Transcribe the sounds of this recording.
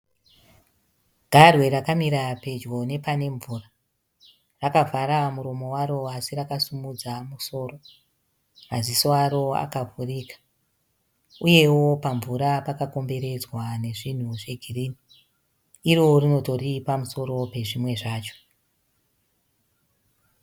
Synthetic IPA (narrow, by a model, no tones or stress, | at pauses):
ɡʱarwe̞ɾakamiɾape̞d͡ʒɡo̞ne̞pane̞ɱvuːra | rakavʱaɾamuɾo̞mo̞waɾo̞asirakasumud͡zamuso̞ːro̞ | azisoaɾo̞a̰kavurikḁ | uje̞wo̞paɱvuɾapakako̞mbe̞ɾe̞d͡zwane̞ʐin̤uʐe̞ɡʱiriniː | ɾo̞rino̞to̞ripamuso̞ɾo̞pe̞ʐimwe̞ʐaːt͡ʃo̥